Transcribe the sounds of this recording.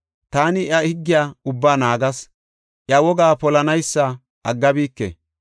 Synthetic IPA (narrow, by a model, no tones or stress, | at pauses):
t̪aːnɪʔɐhɪɡːɪjaːʊbːaːnaːɡɐs | ʔjɐwɔɡaːpɔlɐnɐjsːɐ | ʔɐɡːɐbiːkːɛ̰